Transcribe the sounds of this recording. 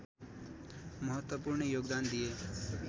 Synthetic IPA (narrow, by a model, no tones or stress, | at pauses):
məɦət̪wəpuːɾɳjoːɡd̪aːnd̪ieː